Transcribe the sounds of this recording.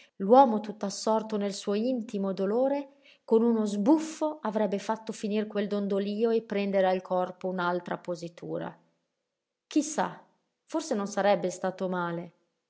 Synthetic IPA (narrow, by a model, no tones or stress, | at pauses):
lwɔːmot̪ut̪ːasːɔrt̪onelsuoint̪imod̪oloːɾe | konunozbufːoʔavɾɛbːefat̪ːofinirkweld̪ond̪oliːoepːɾɛnd̪eɾealkʰɔrpounalt̪ɾapozit̪ʰṵːɾa̰ | kisːa̰ | forsenonsaɾɛbːest̪aːt̪omaːle